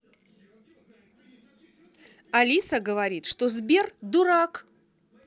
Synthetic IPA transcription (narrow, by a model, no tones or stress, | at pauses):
ɐlʲisəɡəvɐɾʲit̪ʂt̪ozbʲe̞rd̪ʊɾak